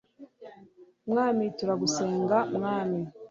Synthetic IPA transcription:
mŋaːmituɾaɡuseːŋɡamŋaːmi

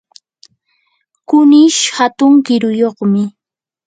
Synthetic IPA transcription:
kʊnɪʃhat̪ʊŋkɪɾʊjoχmɪ

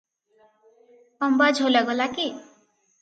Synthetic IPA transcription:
ʌmbad͡ʒʱolaɡolaki

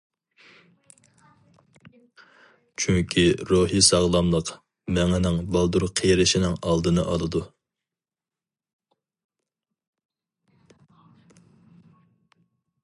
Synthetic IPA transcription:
t͡ʃʰyŋkʲʰiɾuɦisɑʁlˠɑmlˠəq | mɛŋɪnɪŋbɑlˠd̪uɾqʰejɾɪʃinɪŋɑlˠd̪ɨnɨ̰ʔɑlˠɨd̪u

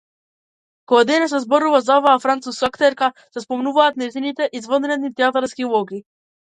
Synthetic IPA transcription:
kɔad̪ɛnɛs̬ɛzbɔɾuvazaɔvaːfɾant̪suskakt̪ɛɾka | sɛspɔmnuvaːt̪nɛjzinit̪ɛʔizvɔd̪ɾɛd̪nit̪ɛat̪aɾskiulˠɔɡi

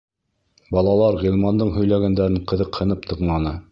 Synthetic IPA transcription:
bɑlˠɑlˠɑɾʁilˠmɑnd̪ɤɴɦɵ̆jlæɡænd̪æɾɘɴqɤ̆ðɤqhɤ̆nɤp̚t̪ʰɤ̆qnˠɑnɤ

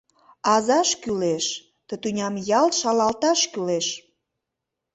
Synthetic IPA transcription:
ɑzɑʃkyleʃ | t̪ə̆t̪unʲɑmjɑlʃɑlɑlt̪ɑʃkyleʃ

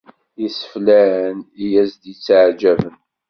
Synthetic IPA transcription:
jəsə̥flæənijæzd̪ət͡sːaʕd͡ʒævən

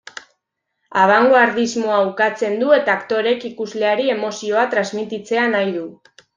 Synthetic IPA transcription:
aβ̞aŋɡoaɾðizmo̞awkat͡se̞nd̪ue̞t̪aːkt̪o̞ɾe̞kikuzle̞aɾie̞mo̞sio̞at̪ɾazmit̪it͡se̞anajðu

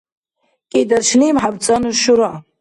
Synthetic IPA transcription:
idarʃlimħabt͡sʼanuʃuɾaʕ

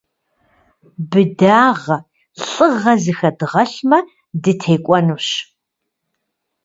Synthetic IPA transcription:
bɨdaːʁɐ | ɬʼɨʁɐzɨxɐdɨʁɐɬmɐ | dɨtʰeːkʷʼɔnuɕ

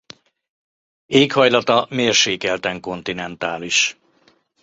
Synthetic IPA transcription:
eːkhɒjlɒt̪ɒmeːrʃeːkɛlt̪ɛŋko̞nt̪inɛnt̪aːliʃ

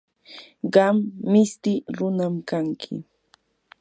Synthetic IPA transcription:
ɢɑmːɪst̪ɪɾʊnamkaŋkʰɪ̰

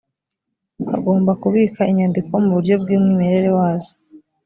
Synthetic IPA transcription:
a̰ɡo̞ːmbakuβiːkaʔiɲandiko̞muβuɾɟo̞b̚ɡiːmŋiːmeɾe̞ɾewaːzo̥

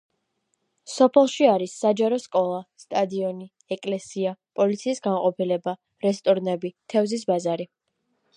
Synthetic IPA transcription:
sɔpʰɛlˠʃiaɾisːad͡ʒaɾɔskʼɔlˠast̪ʼad̪iɔni | ɛkʼlɛsiapʼɔlit̪sʰiːsɡanqʼɔpʰilɛba | ɾɛst̪ʼɔɾnɛbit̪ʰɛvzis̬bazaɾi

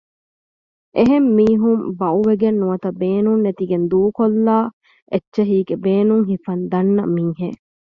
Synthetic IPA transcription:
ʔeɦemːiːɦumbɐuʋeɡenːuʋɐt̪ɐbeːnunːet̪iɡend̪uːkolːaː | ʔetːʃeɦiːɡebeːnuŋɦifɐnd̪ɐnːɐ̰miŋɦeː

